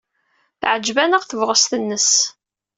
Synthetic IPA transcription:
θʕəd͡ʒvænəʁθəvʁəst̪ənːəs

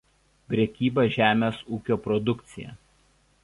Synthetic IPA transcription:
pʲɾʲɛkʲiːbɐʒʲæːmʲeːsuːkʲoːpɾɔd̪ʊkt̪sʲɪjɛ̰ːˑ

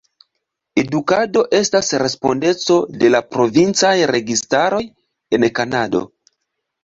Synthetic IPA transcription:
e̞dukado̞ʔe̞stasɾe̞spo̞nde̞t͡so̞de̞lapɾo̞vint͡sajɾe̞ɡistaɾo̞j | e̞nkanado̰

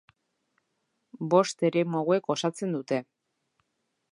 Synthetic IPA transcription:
bo̞st̪e̞ɾemoɣwe̞ko̞sat͡se̞nd̪ut̪e̞

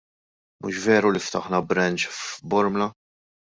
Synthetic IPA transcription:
mṵːʃvɛːɾulift̪ɐħnɐbɾɐnt͡ʃfbɔɾmlɐ

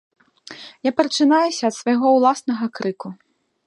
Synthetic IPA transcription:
japɾɐt͡ʂɨnajusʲɐːt̪svɐjɣɔwlˠasnɐɣɐkɾɨku

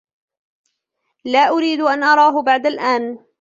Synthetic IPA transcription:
laːʔʊɾiːd̪ʔanʔɑɾˤɑːɦʊbaʕd̪alʔaːn

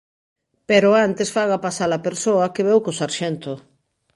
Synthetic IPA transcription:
peɾʊant̪esfaɣapasalapeɾsoɐkeβɛwkosaɾʃɛnt̪ʊ

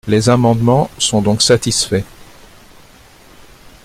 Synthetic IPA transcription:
lezamɑ̃d̪mɑ̃sɔ̃d̪ɔ̃ksat̪isfɛ

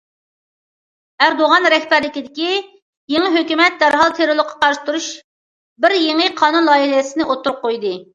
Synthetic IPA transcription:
æɾd̪oʁɑnɾɛhbɛɾlɪkʲid̪ɪkʲi | jeŋəɦøkʲymɛt̪̚d̪æɾɦɑlˠt̪ʰeɾolˠʊqʰːɑ̥qɑɾʃt̪uɾuʃ | bɪɾjeŋɨqʰɑːnunlˠɑːjiɦɛsɪnɪʔot̪ːʊɾp̚qojd̪ɨ

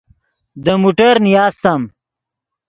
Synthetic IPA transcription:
d̪əmuʈɐɾnijaːst̪ɐm

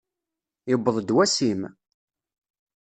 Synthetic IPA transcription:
jəbːəðˤd̪wæsim

